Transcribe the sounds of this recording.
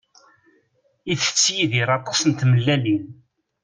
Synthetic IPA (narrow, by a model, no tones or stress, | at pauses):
iθə̥t͡sːjiðiɾˤɑt̪ˤːɑ̥sˤənt̪məlːælin